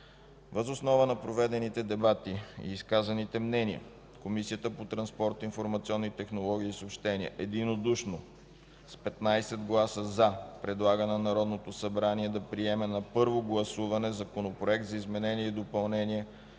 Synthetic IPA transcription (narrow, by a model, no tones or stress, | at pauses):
vəzosnɔvənɐpɾovɛd̪ɛnit̪ɛd̪ɛbat̪iḭːskazɐnit̪ɛmnɛniə̰ | komisiət̪əpot̪ɾɐnspɔɾt̪infoɾmɐt̪siɔnːit̪ɛxnolˠɔɡ̟ʲiːsopʃt̪ɛniə̰ʔɛd̪inod̪uʃno | spɛt̪najsɛd̪ɡlˠasəzapɾɛd̪lˠaɡənɛnɐɾɔd̪not̪osɐbɾaniɛd̪ɐpɾiɛmɛnɐpɤɾvoɡlˠɐsuvɐnɛzɐkonopɾoɛk̚t̪zɐizmɛnɛniɛid̪opɐlˠnɛniɛ